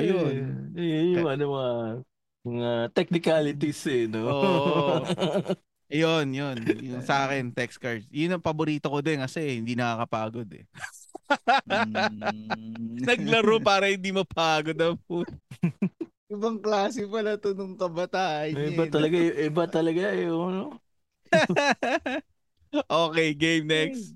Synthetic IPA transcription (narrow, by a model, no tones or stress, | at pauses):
ɐjoɛjʊŋʔɐnomɐŋa | mɐŋat̪ɛk̚nɪkalɪt̪isɛnooː | ʔɐjonjonjʊŋsɐʔaːkɛnt̪ɛkskɐɹd̪̚jʊnːɐŋpɐboɾiːt̪o̞kod̪ɛnkɐsɛhɪnd̪iːnɐkakɐpaːɡo̞d̪ɛ̰ | nɐɡ̚lɐɾopaːɾɐhɪnd̪imɐpaːɡod̪ɐmpu | ʔɪbɐŋklaːsɪpɐlat̪onoŋkɐbɐt̪aːʔɐɲɪbaɐlɐɡaʔɪbat̪ɐlɐɡaɛono | ʔoːkɛjɡejmnɛks